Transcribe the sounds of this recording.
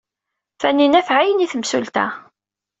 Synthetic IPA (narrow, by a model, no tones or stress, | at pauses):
fænːinæfʕajəniθəmsult̪æ̰